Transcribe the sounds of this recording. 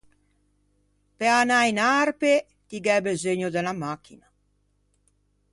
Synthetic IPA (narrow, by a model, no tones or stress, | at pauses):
peanajinaɾpe | t̪iɡɛbezeɲod̪ɛlamakʰːina